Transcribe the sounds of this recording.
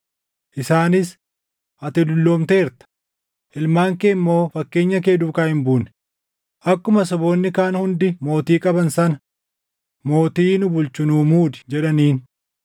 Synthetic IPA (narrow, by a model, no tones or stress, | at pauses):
ʔɪsaːnɪs | ʔɐt̪ɪlʊlːo̞ːmt̪e̞ːɾt̪ɐ̥ | ʔɪlmaːŋkeːmːo̞ːfɐkːe̞ːɲːɐke̞ːd̪uːkaːhɪmbuːnɪ̥ | ʔɐkːʊmɐsɔbo̞ːnːɪkaːnhʊnd̪ɪmo̞ːt̪iːkʼɐbɐnsɐnɐ | mo̞ːt̪iːnʊbʊlt͡ʃʊnuːmuːd̪ɪ̥d͡ʒɛᶑɐniːn